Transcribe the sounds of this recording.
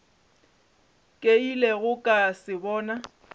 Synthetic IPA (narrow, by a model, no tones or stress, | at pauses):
kʼeileɣʊkʼasɪbɔːna